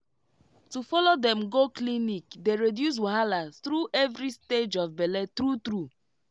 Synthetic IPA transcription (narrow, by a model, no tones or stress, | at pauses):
tufɔlodɛ̃mɡoklinikdeɹedjus̬waɦalat̪ɾuʔɛvɾisted͡ʒɔfbɛlɛt̪ɾut̪ɾu